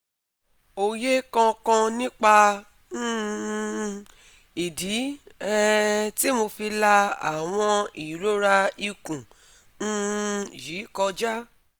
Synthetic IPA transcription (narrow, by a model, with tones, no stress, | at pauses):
o˧je˦kã˧kã˧nĩ˦k͡pã˧˦˧ | i˨di˨˦ɛ˦ti˦mo˧fi˧la˧a̰˨w̃ɔ̃˧i˨ɾo˦ɾa˧i˧kũ˨ | n̩˦˧ji˨˦kɔ˧d͡ʒa˦